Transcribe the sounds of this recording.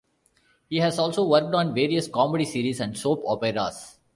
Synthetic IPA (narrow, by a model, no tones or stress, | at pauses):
hiːɦæzɔːlsoːʋəɾk̚ʈɔ̃ːnʋeːɾiəskɔːmeɖisiːɾisɛ̃ɳɖsoːpɔːpɛɾa̰s